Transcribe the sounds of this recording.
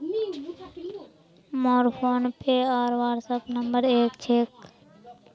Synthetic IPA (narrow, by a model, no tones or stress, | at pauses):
mɔːɾpʰoːnpeaːɾʋaːɾsəpnəmbəɾeːkt͡ʃʰeːk